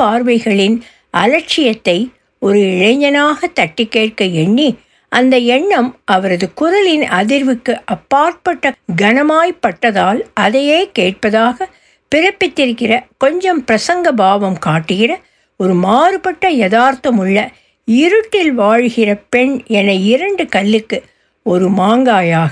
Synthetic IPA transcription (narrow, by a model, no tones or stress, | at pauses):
paːɾʋɐɪɣɐɭɪn | ʔɐ̰lɐɾt͡ʃɪjɐt̪ːɐɪ | ɔɾɯɪɻɐɲɐnaːɣɐt̪ɐʈːɪkːeːʈkɐɛɳːi | ʔɐnd̪ɐɛɳːɐmɐʋɐɾɐðɯkʊɾɐlɪnɐðɪɾʋɯkːɯʔɐpːaːɾʈ̚pɐʈːɐɡɐnɐmaːjpːɐʈːɐðaːlɐðɐjeːkeːʈ̚pɐðaːɣɐ | pɪɾɐpːɪt̪ːɪɾɯkːɪrɐkɔɲd͡ʒɐmpɪɾɐsɐŋɡɐbaːʋɐmkaːʈːɯɣɪrɐ | ɔɾɯmaːɾɯpɐʈːɐjɐðaːɾt̪ɐmɯɭːɐ | ɪɾɯʈːɪlʋaːɻɣɪrɐpɛɳɛnɐɪɾɐɳɖɯkɐɭːɯkːɯ | ɔɾɯmaːŋɡaːjaːɣɐ